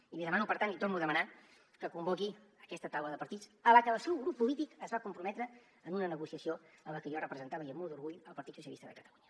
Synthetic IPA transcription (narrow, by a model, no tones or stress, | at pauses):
imiðəmanupəɾt̪anlit̪ornuðəməna | kəkumboki | əkɛst̪ət̪awləðəpəɾt̪it͡sələkəlˠsɛwɣɾupːulit̪ikəzβakumpɾumɛt̪ɾəː | nunənəɣusiəsioələkəʒɔrəpɾəzənt̪aβəiəmulˠd̪uɾɣuʎəlˠpəɾt̪it̪susiəlist̪ə̰ðəkət̪əluɲə